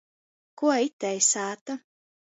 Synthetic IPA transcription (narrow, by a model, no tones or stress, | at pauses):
kuɔit̪ːɛjsaːt̪u